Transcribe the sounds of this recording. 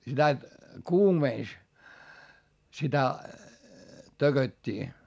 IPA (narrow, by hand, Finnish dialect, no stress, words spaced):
sitæ kuːmeˑns sitæ tøɡ̊øtʲːiː